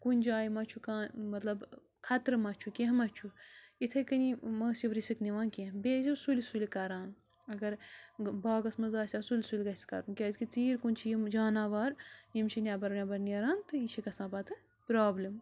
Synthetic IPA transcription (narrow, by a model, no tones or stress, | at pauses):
kunʲd͡ʒaːjimɐt͡ʃʰukãːmɐt̪lɐb | kʰɐt̪ɾɨmɐt͡ʃʰukʲeɦmɐt͡ʃʰuit̪ʰɐkɐnimɐːsiʋɾisikniʋãːnkʲẽbeːzisulʲsulʲikɐɾaːn | ɐɡɐɾbaːɡɐsmɐzaːsʲaːsulʲsulʲɡɐsʲi̥kɐ̰ɾunkʲaːzʲkit͡siːɾkunʲt͡ʃʰijimd͡ʒaːnaːʋaːɾjimt͡ʃʰinʲaːbɐɾnʲabɐɾniɐɾaːnt̪ɨit͡ʃʰikɐsãːpɐt̪ʰɨ | pɾaːblʲim